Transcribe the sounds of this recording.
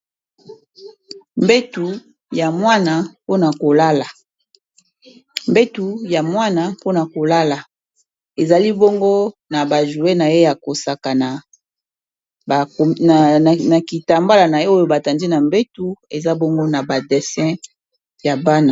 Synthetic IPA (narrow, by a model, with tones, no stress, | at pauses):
mbe˦tu˨ | ja˨mwa˦na˨po˦na˨ko˨la˦la˨ | mbe˦tu˨ja˨mwa˦na˨po˦na˨ko˨la˦la˨ | e˨za˨li˦bɔ˦ŋɡo˦na˨ba˨ʒu˨e˦na˨je˦ja˨ko˨sa˨ka˨na˨ | na˨ki˨ta˨mba˦la˨na˨˦o˦jo˦ba˨ta˨ndi˦na˨mbe˦tu˦e˨za˦bɔ˦ŋɡo˦na˨ba˨dɛ˨sɛ̃˦ | ja˨ba˦na˨